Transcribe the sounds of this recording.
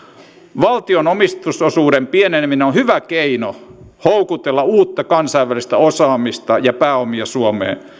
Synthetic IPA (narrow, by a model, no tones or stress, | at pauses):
ʋɑlt̪ionomist̪usosuːɾempienenmineonhyʋækeino | houkut̪elːɑuːt̪ːɑkɑnsɑiʋːælist̪æosɑːmist̪ɑjɑpæːomiɑsuomḛː